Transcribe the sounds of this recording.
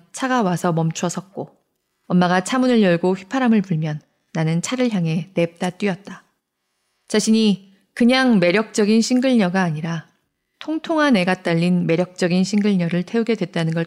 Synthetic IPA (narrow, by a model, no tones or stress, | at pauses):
t͡ɕʰaɡawasʰʌmʌmt͡ɕʰuʌsʰʌk̚k͈o | ʌmːaɡat͡ɕʰamunɯɭjʌɭɡoɸɥipʰaɾamɯɭpuɭmjʌnː | anɯnt͡ɕʰaɾɯɭçjaŋɦe̞ne̞p̚t͈at͈ɥiʌt̚t͈a | t͡ɕaɕʰiɲi | kɯɲaŋme̞ɾjʌk̚t͡ɕ͈ʌɡinɕʰiŋɡɯɭɲʌɡaːɲiɾa | tʰoŋtʰoŋane̞ɡat͈aʎːinme̞ɾjʌk̚t͡ɕ͈ʌɡinɕʰiŋɡɯɭɲʌɾɯɭtʰe̞uɡe̞dwe̞t̚t͈anɯnɡʌ